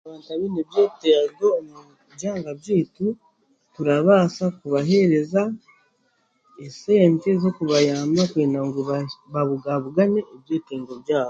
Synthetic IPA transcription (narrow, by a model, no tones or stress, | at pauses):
aβaːntaβinebjeːteɡomu | bɟaːŋɡabjiːtu | tuɾaβaːsakuβaɦe̞ɾe̞za | eseːɲcezo̞kuβajaːmakweːnaŋɡuββaβuɡaβuɡaneːbjeːtiːŋɡobjaːho